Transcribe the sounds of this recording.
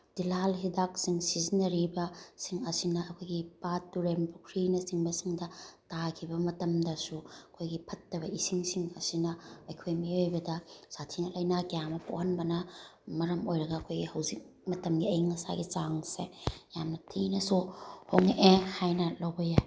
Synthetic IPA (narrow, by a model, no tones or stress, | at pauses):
d̥ilalɦidak̚siŋsizinɐɾibɐsiŋɐsinɐɐkʰojɡipatːuɾempukʰɾinɐsiŋbɐsiŋdɐtakʰibɐmɐtɐmdɐsuɐkʰojɡipʰɐtːɐβɐisiŋsiŋɐsinɐɐjkʰojmiojbɐdɐsatʰinɐlɐjnakjamɐpʰo̰hɐnbɐnɐmɐɾɐmojɾɐɡɐːkʰojɡihɐwzik̚ | mɐtɐmɡiɐjŋɐsa̰ɡit͡ʃaŋsḛjamnɐtʰinɐsuhoŋʔehajnɐlowbɐja